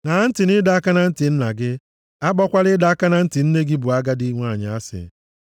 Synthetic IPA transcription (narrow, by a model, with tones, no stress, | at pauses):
na˨˦n̩˦tɪ˨nɪ˦da˨a˦ka˦na˦n̩˦tɪ˨n̩˦na˨ɡɪ˦ | a˦ɡ͡bɔ˦kʷa˦ɾɪ˦da˦a˦ka˦na˦n̩˦tɪ˨n̩˦ne˦ɡi˦bʊ˨a˦ɡa˦dɪ˦ŋʷa˦˨ɲɪ˨a˦sɪ̰˨